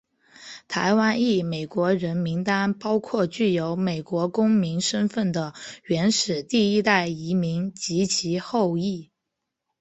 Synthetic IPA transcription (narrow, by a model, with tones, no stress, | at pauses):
t̪ʰa̰˧˥ɪwa˥ni˥˩me˨˩ɪkwɔ˧˥ɻə˧˥nmi˧˥ŋt̪a˥npɑ˥ʊkʰwɔ˥˧t͡ɕy˥˩jo˧˥ʊme˨˩ɪkwɔ˧˥kʊ˥ŋmi˧˥nʂə˥nfə˥˩nd̪ə˩ɥɛ˧˥nʂɻ̩˨˩t̪i˥˩i˥t̪a˥˩ɪi˧˥mi˧˥ŋt͡ɕi˧˥t͡ɕʰi˧˥xo˥˧ʊi˥˩